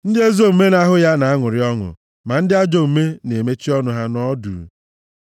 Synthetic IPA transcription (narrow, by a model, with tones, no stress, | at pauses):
n̩˦dɪ˦e˦zo˦u˨me˦na˦ɦʊ˦ja˦na˨a˦ŋʊ˨ɾɪ˦ɔ˦ŋʊ̰˨ | ma˨n̩˦dɪ˦a˦d͡ʒo˨u˨me˦ne˨me˦t͡ʃi˦ɔ˦nʊ˦ɦa˦nɔ˦dṵ˨˦